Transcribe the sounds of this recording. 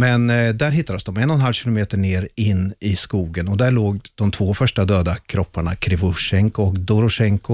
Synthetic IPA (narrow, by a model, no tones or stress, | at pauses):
mɛnd̪æɾɦɪt̪ːad̪əsd̪ɔmɛnːɔnɦalvɕɪlʊmeːt̪əɳeːɾɪnːɪskuːɡənɔd̪æɭoːɡd̪̥ɔmt̪ʰvoːfœʂʈad̪øːd̪akʰɾɔpʰːaɳa̰kʰɾɪvʊʂɛŋkʊɔkd̪ʊɾʊʂɛŋkʊ